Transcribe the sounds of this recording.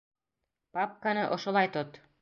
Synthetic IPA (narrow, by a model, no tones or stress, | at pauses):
pap̚kanɤʔŏʃŏlˠɑjt̪ot̪